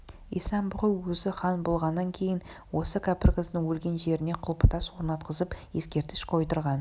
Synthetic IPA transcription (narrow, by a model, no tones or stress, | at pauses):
ḭjsɑnbʊʁəwwɵzɪχɑnbolˠʁɑnːɑŋkʲʰe̞jɪn | wo̞səkʲʰɑpɪrʁəznɪŋwɵlɡʲe̞nʒe̞ɾɪne̞qʰʊlˠpət̪ɑswo̞ɾnɑt̪̚qəzəpje̞skʲe̞ɾt̪ɪ̥ʃqʰo̞jt̪əɾʁɑn